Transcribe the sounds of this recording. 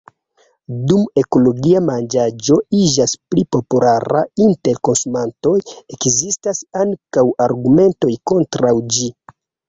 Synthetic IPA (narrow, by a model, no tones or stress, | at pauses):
dume̞ko̞lo̞ɡiamand͡ʒad͡ʒo̞id͡ʒasplipo̞pulaɾa̰inte̞ɾko̞nsumanto̞je̞kzistasaŋkawaɾɡume̞nto̞jko̞ntɾawd͡ʒi